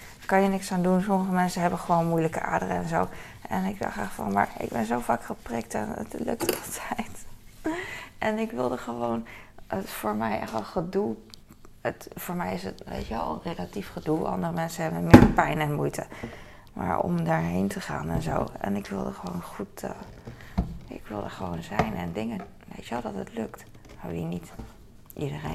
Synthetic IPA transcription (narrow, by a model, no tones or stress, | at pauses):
kɑnjənɪksaːndunsɔməχəmɛnsəɦɛbənχəʋownmujləkəʔa̰ːɹdərəɛnzow | ʔɛnɪɡ̚dɑ̰χaχfɑ̰nma̰ːɹɪ̰ɡ̚bɛnzowvaːkχəprɪk̚tɛ̰nə̰tlɵ̰k̚tɑlˠtʰɛjt | ʔɛnɪkʋɪlˠdəχəʋownətfʊːɹmɛjʔɛχtʋɛlˠχədulˠ | ətfʊːɹmɛjɪsətʋḛjtʋɛlˠrelatifχədulˠʔɑ̰ndərəmɛnsəɦɛbənmɪːɹpɛjnɛnmujtʰə | ma̰ːɹɔ̰mdaːɹɦejntəχa̰ːnɛnzo̰wɛ̰nɪkʋɪlˠdəχəʋownχutə | ɪ̰kʋɪlˠdəχəʋownzɛjnɛ̰ndɪŋən | ʋḛjtʋɛlˠdɑtətlɵkt | nainit | ʔidəre